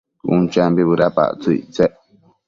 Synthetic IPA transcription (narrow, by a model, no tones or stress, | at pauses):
ṵnt͡ʃambiβɨɾapa̰ʔt͡suḭʔt͡seʔ